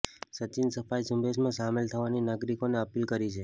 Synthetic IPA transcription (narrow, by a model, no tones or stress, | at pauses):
sət͡ʃinsəfaisũmbʱesmãsamelt̪ʰəʋaninaɡɾikoneəpilkəɾit͡ʃʰe